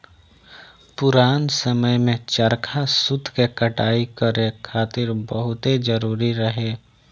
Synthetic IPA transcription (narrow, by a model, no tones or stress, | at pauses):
pʊɾaːnsəməjmẽt͡ʃəɾkʰasʊd̪ʱkekəʈaːikəɾekʰaːt̪ɪɾbəɦʊt̪ed͡ʒəɾuːɾiɾəɦeː